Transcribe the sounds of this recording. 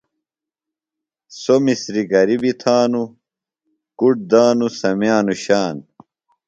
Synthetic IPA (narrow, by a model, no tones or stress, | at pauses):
somisɾiɡɐɾibit̪ʰaːnu | kuʈ̚d̪aːnusɐmjaːnuɕaːn